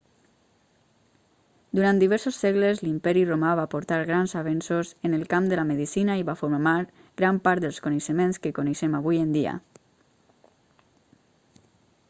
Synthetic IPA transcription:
d̪uɾand̪iβɛɾsosːɛɣləzlimpɛɾiromaβapoɾt̪aɾɣɾanzaβ̞ɛnsozənəlˠkamd̪əlaməðisinaiβafuɾmaɾ | ɡɾampaɾt̪̚d̪əlˠskunəʃəmenskəkunəʃɛmaβujənd̪ia̰

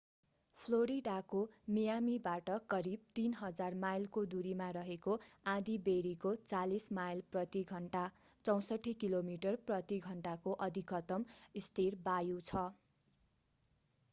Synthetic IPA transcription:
pʰloɾiɖakomijamibaʈʌkʌɾib̚t̪inɦʌd͡zarmajlkod̪uɾimaɾʌɦekoãd̪ibeɾikot͡salismajlprʌt̪iɡʱʌɳʈa | t͡sʌw̃sʌʈʰikilomiʈʌrprʌt̪iɡʱʌɳʈakoʔʌd̪ʱikʌt̪ʌmist̪ʰirbajut͡sʰʌ

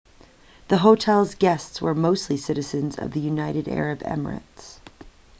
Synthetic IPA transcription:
ðəɦoʊtʰɛlˠzɡɛstswə̰˞moʊstˡlisɪɾɨzɨ̃nzʌ̰vðɨjʉnaɪɾɨɾɛ̰ɹɨbɛ̰mə̰˞ɨ̰ts

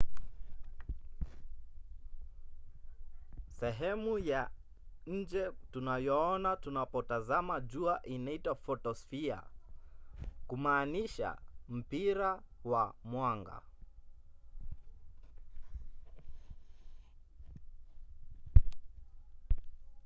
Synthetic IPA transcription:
sɛɦɛmuja | ɲ̩d͡ʒɛtunajɔɔnatunapɔtazamad͡ʒuaʔinaitwafɔtɔsfia̰ | kumaːniʃa̰m̩piɾawamwaŋɡa̰

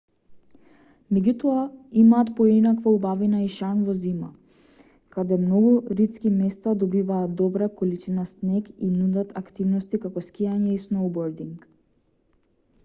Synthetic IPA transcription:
mɛɟut̪ɔaimaːt̪pɔinakvaubavinaiʃanvɔzima̰ | kad̪ɛmnɔɡuɾit̪skimɛst̪ad̪ɔbivaːd̪ɔbɾakolit͡ʃinasnɛkinud̪at̪akt̪ivnɔst̪ikakɔskʲijaɲɛisnowbɔɾd̪iŋk

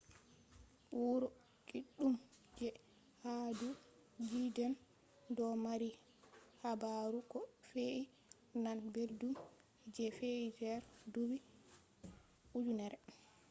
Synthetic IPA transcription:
wuɾɔ | kiɗːumd͡ʒɛ | hadu | d͡ʒidɛn | dɔmaɾi | habaɾukɔfeʔi | nanbeɾdum | d͡ʒɛfeʔid͡ʒɛɾdubi | ud͡ʒunɛɾɛ

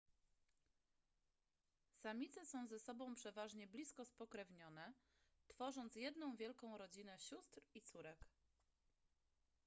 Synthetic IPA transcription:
samʲit̪sɛsɔ̃w̃zɛsɔbɔ̃w̃pʂɛvaʐɲɛblʲiskɔspɔkɾɛvɲɔnɛ | t̪fɔʐɔnt̪sjɛd̪nɔ̃w̃vʲjɛlkɔ̃w̃ɾɔd͡ʑinɛɕust̪ɾit̪suɾɛk

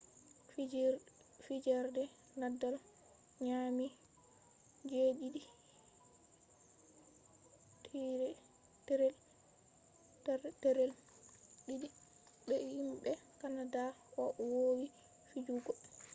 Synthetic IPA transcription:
fid͡ʒɛɾdɛ | nadːal | ɲami | d͡ʒeɗidi | tʰiɾɛ | tɛɾɛl | tɛɾɛlɗidi | ɓɛhimɓɛkanadaʔɔʔwowi | fid͡ʒuɡɔ

